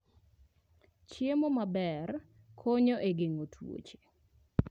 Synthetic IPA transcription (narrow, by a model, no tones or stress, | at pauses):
t͡ʃjemomabɛr | kʰoɲoʔeɡeŋotʰwo̰t͡ʃe̥